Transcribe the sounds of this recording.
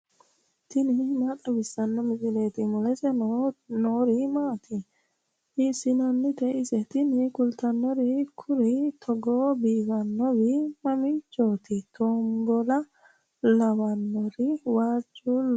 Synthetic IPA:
t̪ɪnɪmat̪ʼːɔbɪsːɐnːɔmɪsʼɪleːt̪ɪmʊlɛsɛnɔnoːɾɪmaːt̪ɪ | ɪsːɪnɐnːɪt̪ɛɪsɛt̪ɪnɪkʊlt̪ɐnːɔɾɪkʰʊɾɪt̪ʰɔɡoːbiːɡɐnːɔbɪmɐmɪt͡ʃːoːt̪ɪt̪ʰoːmbɔlɐ | lɐbɐnːɔɾɪwaːt͡ʃːu

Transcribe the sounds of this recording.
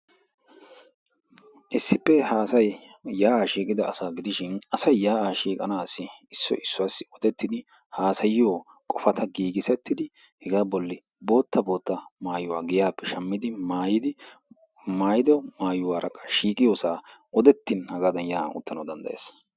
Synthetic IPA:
ʔɪsːɪpːɛaːsɐj | jaːʔaːʃiːkʼɪd̪ɐɐsaːɡɪd̪ɪʃɪnɐsɐjːaːʔaːʃiːkʼɐnaːsɪɪsːɔ̰ʔɪsːɔasɪ̥ɔd̪ɛt̪ːɪd̪ɪ | haːsɐjɪjoː | kʼɔfɐt̪ɐɡiːɡɪsɛt̪ːɪd̪ɪ | hɛɡaːbɔlːɪ | bo̞ːt̪ːɐbo̞ːt̪ːɐmaːjʊwaːɡɪjaːpːɛʃɐmːɪd̪ɪmaːjɪd̪ɪ | maːjɪd̪ɔmaːjʊwaːɾɐkʼɐ̥ʃiːkʼɪjoːsaːʔɔd̪ɛt̪ːɪnhɐɡaːd̪ɐnjaːnʊ̰t̪ːɐnɐwd̪ɐnd̪ɐ̰ʔḛːs

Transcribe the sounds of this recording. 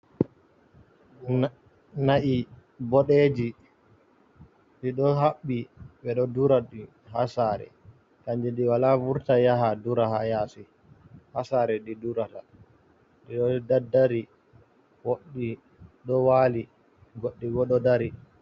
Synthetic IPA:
naʔi | bɔɗeːd͡ʒi | ɗiɗɔɦaɓːiɓɛɗɔduɾaɗi | hasaɾɛ̰ | kaɲd͡ʒɛnɗiwalavuɾtajaɦaduɾahajaːsi | hasaɾɛɗiduɾata | ɗiɗɔdadːaɾi | woɗːi | ɗɔwaːli | ɡoɗːiɡɔɗɔdaɾi

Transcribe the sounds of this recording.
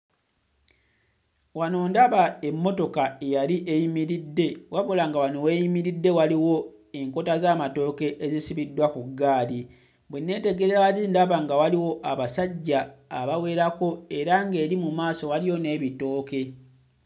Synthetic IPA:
wanoːndaβae̞mːo̞to̞kae̞jaɾiʔejimiɾidːe̞waβolaŋɡawanoweːjimiɾidːe̞waliwo̞ | e̞ŋko̞tazaːmato̞ːke̞ʔezisiβidːwakuɡːaːli | bwenːe̞ːte̞ɡe̞ɾewaziːndaβaŋɡawaliwo̞ʔaβasaɟːa̰ːβawe̞ːɾako̞e̞ɾaŋɡe̞ːɾimumaːso̞waliwo̞ne̞ːβito̞ːke̞

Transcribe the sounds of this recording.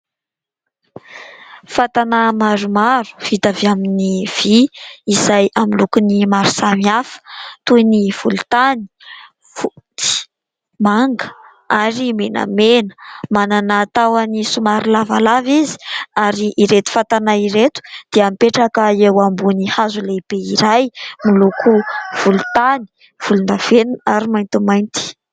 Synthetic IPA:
fat̪anamaɾumaɾu̥v̥it̪aviaminiv̥iizajamilukunimaɾu̥samiafə̥t̪uiniv̥ulut̪ani̥ | fut̪i̥ | maŋɡə̥ | aɾimena̰menə̥mananaːt̪awanisumaɾilavalavizi̥aɾiʔiɾet̪u̥fat̪anaiɾet̪u̥d̪̥eamipeʈ͡ʂakaewambunihazuleb̥eiɾajmilukʰuv̥ulut̪ani̥ | v̥ulund̪av̥enunaɾimajnt̪umajnt̪i̥

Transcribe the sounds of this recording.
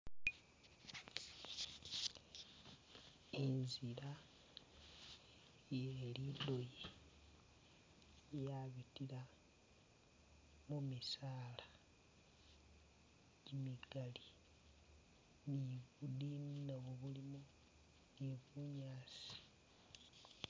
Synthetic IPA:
enzila | jelido̞je | jaβitila | mumisaːla | ɟimiɡ̥ali | niβudinnaβoβulimu | niβuɲaːsi̥

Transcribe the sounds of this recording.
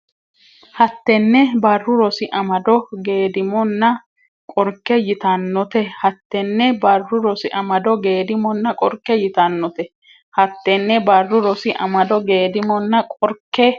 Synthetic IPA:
hɐt̪ːɛnːɛbɐrːʊɾɔsɪʔɐmɐd̪ɔɡe̞ːd̪ɪmɔnːɐ | kʼɔɾkːɛjɪt̪ɐnːɔt̪ɛhɐt̪ːɛnːɛbɐrːʊɾɔsɪʔɐmɐd̪ɔɡeːd̪ɪmɔnːɐkʼɔɾkːɛjɪt̪ɐnːɔt̪ɛ | hɐt̪ːɛnːɛbɐrːʊɾɔsɪʔɐ̰mɐd̪ɔɡe̞ːd̪ɪmɔnːɐkʼɔɾkːɛ

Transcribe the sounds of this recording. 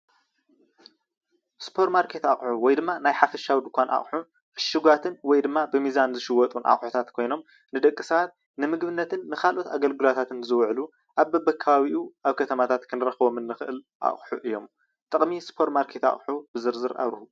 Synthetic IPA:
spʰo̞ɾmaɾkʰe̞t̪aχʼħuwɔjd̪ɨmːanajħafɐʃawd̪ɨkʷʰanʔa̰χʼħu | ʔɨʃːɨɡʷat̪ʰɨnwɔjd̪ɨmːabɨmizanzɨʃɨwɔt̪ʼunʔa̰χʼħut̪ʰat̪kʰo̞jno̞m | nɨd̪ɐkʼːɨsat̪̚ | nɨmɨɡbɨnːɐt̪ʰɨnːɨkʰalʔo̞t̪ʰaɡɐlɡɨlat̪ʰat̪ɨnzɨwʕlu | ʔaβbɐbɐkʰːaβaβiʔuʔaβkʰɐt̪ʰɐmat̪ʰat̪kʰɨnɾɐxβomɨnːɨxɨʔɨl | ʔa̰χʼħuʔɨjːo̞m | t̪ʼɐχʼmispʰo̞ɾmaɾkʰe̞t̪a̰χʼħubɨzɨɾzɨɾa̰βɾhu

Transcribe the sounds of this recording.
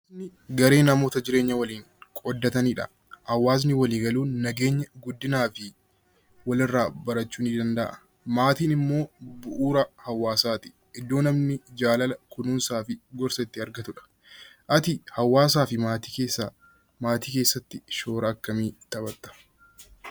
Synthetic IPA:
nɪɡɐɾe̞ːnɐmo̞ːt̪ɐd͡ʒɪɾe̞ːɲːɐwɐliːŋ | kʼɔd̪ːɐt̪ɐniːᶑɐ̰ | hɐwːaːs̬nɪwɐliːɡɐluːnɐɡe̞ːɲːɐɡʊd̪ːɪnaːfɪ | wɐlɪrːaːbɐɾɐt͡ʃːuːnid̪ɐnd̪ɐʔɐ̥ | maːt̪iːnɪmːo̞ːbʊʔuːɾɐhɐwːaːsaːt̪ɪ̥ | ʔɪd̪ːo̞ːnɐmnɪd͡ʒaːlɐlɐkʊnuːnsaːfɪɡɔɾsɐt̪ːɪɐɾɡɐt̪ʊᶑɐ̥ | ʔɐt̪ɪhɐwːaːs̬aːfɪmaːt̪i̥keːsːa | maːt̪iːke̞ːsːɐt̪ːɪʃo̞ːɾɐːkːɐmiːt̪ɐbɐt̪ːɐ̥

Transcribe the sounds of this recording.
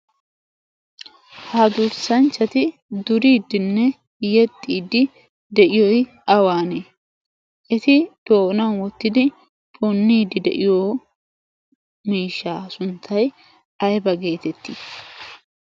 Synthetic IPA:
hɐd̪ʊɾsɐnt͡ʃːɐt̪ɪd̪ʊɾiːd̪ːɪnːɛ | jɛt̪ʼːiːd̪ɪ | d̪ɛʔɪjɔj | ɐwaːneː | ʔɛt̪ɪd̪̥oːnɐnwɔt̪ːɪd̪ɪ | bɔnːiːd̪ɪd̪ɛ̰ʔɪjoː | miːʃːaːsʊnt̪ʰːɐj | ɐjbɐɡe̞ːt̪ɛt̪ːi

